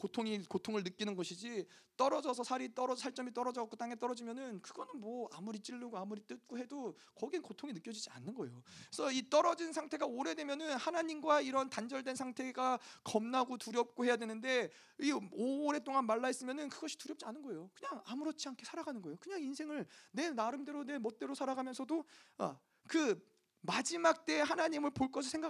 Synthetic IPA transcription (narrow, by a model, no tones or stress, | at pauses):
kotʰoŋikotʰoŋɯɭnɯk͈inɯnɡʌɕʰid͡ʑit͈ʌɾʌd͡ʑʌsʰʌsʰaɾit͈ʌɾʌsʰaɭt͡ɕ͈ʌmit͈ʌɾʌd͡ʑʌk͈ot͈aŋe̞t͈ʌɾʌd͡ʑimjʌnɯnkɯɡʌnɯnmwʌa̰muɾit͡ɕ͈iɭːɯɡoamuɾit͈ɯt̚k͈oɦe̞do | kʌɡinkotʰoŋinɯk͈jʌd͡ʑid͡ʑia̰nːɯnɡʌejoesʰʌit͈ʌɾʌd͡ʑinsʰaŋtʰe̞ɡaoɾe̞dwe̞mjʌnɯnhanaɲimɡwaiɾʌntand͡ʑʌɭdwe̞nsʰaŋtʰe̞ɡakʌmnaɡotuɾjʌp̚k͈ohe̞jadwe̞nɯnde̞ | ioɾe̞t͈oŋanmaɭːaes͈ɯmjʌnɯnkɯɡʌɕʰi̥tuɾjʌp̚t͡ɕianɯnɡʌe̞jokɯɲaŋamuɾʌt̚t͡ɕʰiankʰe̞sʰaɾaɡanɯnɡʌejokɯɲaŋinsʰe̞ŋɯɭne̞naɾɯmde̞ɾone̞mʌt̚t͈e̞ɾosʰaɾaɡamjʌnsʰʌdoa̰ | kɯ | mad͡ʑimak̚t͈e̞hanaɲimɯɭpoɭk͈ʌs̬ʰɯsʰeŋɡa